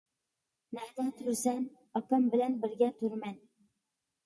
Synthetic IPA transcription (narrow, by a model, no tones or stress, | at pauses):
næd̪æt̪ʰʊɾsæn | ɑkɑmbɪlænbɪɾɡʲɛt̪ʰuɾmɛn